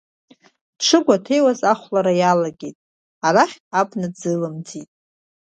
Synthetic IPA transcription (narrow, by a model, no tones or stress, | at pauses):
ʈ͡ʂʰɨɡʷatʰe̞jwazaχʷlaɾajalaɡʲejtʼ | aɾaχʲabnɨd͡zɨlɨmd͡zitʼ